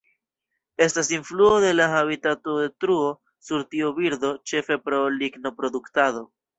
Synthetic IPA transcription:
e̞stasinfluo̞de̞lahaβitato̞detɾuo̞ | suɾtiobiɾd̪o̞t͡ʃe̞fe̞pɾo̞liɡno̞pɾo̞d̪uktado̞

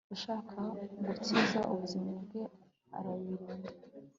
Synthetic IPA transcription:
ɡuʃaːkʰaɡut͡sizaʔuβuzimabɡe | a̰ɾaβiɾiːnda

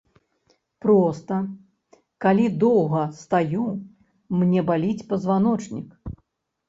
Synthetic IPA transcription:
pɾɔst̪ɐ | kalʲid̪ɔwɣɐst̪aju | mnʲɛbalʲit͡sʲpɐzvanɔt͡ʂnʲik

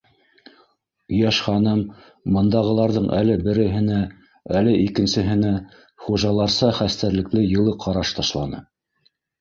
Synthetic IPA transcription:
jæʃχɑnɤm | bɤ̆nd̪ɑʁɤ̆lˠɑɾðɤɴʔælɘbɘ̆ɾɘ̆ɦɘ̆næ | ælɘʔikɘ̆nsɘ̆ɦɘ̆næ | χuʒɑlˠɑɾsɑχæst̪æɾlɘ̆klɘjɤ̆lˠɤqʰɑɾɑʃt̪ɑʃlˠɑnɤ̰

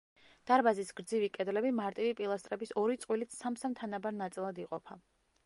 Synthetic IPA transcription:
d̪̥aɾbazisɡɾd̪zivikʼɛd̪lɛbimaɾt̪ʼivipʼilˠast̪ʼɾɛbisɔɾit̪sʼqʼwilit̪ssamsamt̪ʰanabaɾnat̪sʼilˠad̪iqʼɔpʰa

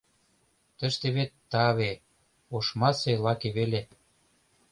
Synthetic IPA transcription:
t̪ə̆ʃt̪eβet̪ːɑβe | oʃmɑselɑkeβele

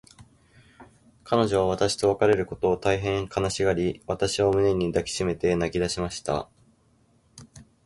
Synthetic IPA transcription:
kʰano̞ʑo̞β̞aβ̞at̪aɕi̥t̪o̞βakaɾe̞ɾɯ̟ko̞t̪o̞ːt̪aiɦẽ̞ŋkʰanaɕiɡaɾʲiβat̪aɕiβomɯ̟ne̞ɲ̟id̪akʲi̥ɕime̞t̪e̞naɡʲid̪aɕimaɕi̥t̪a̰

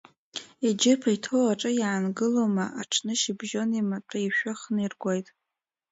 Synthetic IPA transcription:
id͡ʒɪpʰajtʰowaʈ͡ʂʼɨjaːnɡɨloma̰ʔaʈ͡ʂʰnɨʃibʒonimatʰʼaiʃᶣaχnirɡʷajtʼ

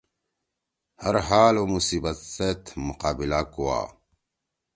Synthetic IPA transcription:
hɐɾɦaːlwɐmusiːbɐset̪muqaːbilakuwa̰ː

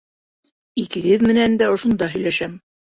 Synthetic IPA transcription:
ikɘ̆ɦɘðmɘ̆nænd̪æŏʃŏnd̪ɑɦɵ̆jlæʃæm

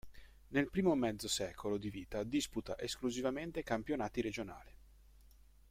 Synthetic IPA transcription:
nelpɾiːmomɛd̪zosɛːkolod̪iviːt̪ad̪isput̪aʔeskluzivament̪ekampjonaːt̪iɾed͡ʒona̰ːli

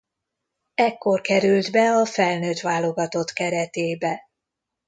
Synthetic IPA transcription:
ɛkːo̞rkɛɾyld̪bɛɒfɛlnøːt̪ʋaːlo̞ɡɒt̪o̞t̪kɛɾɛt̪eːbɛ

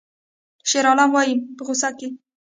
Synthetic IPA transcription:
ʃeɾɑlɑnwɑjimpəɣʊsake

